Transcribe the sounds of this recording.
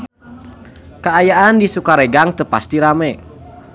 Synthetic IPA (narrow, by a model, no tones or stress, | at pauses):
kaajaʔandisukaɾeɡaŋt̪əpast̪iɾamɛ